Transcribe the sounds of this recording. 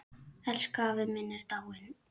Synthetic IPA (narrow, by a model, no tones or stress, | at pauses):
ɛlskaːvɪmɪnːɪɾt̪awɪn